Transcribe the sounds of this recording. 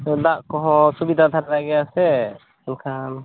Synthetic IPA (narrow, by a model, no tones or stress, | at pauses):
ɔd̪aʔkɔɦɔ̃subid̪ʱad̪ʱaɾlaɡɛjasɛ | ɔnkʰan